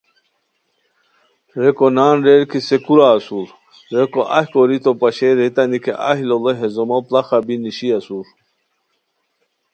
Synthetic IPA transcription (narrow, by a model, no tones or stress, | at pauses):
ɾekonaːnɾeɾkisekuɾaːsul | ɾekoʔahkoɾit̪opaɕeɾet̪anikʰḛʔa̰ɦiloleɦezomoplaχabiniɕiasuɾ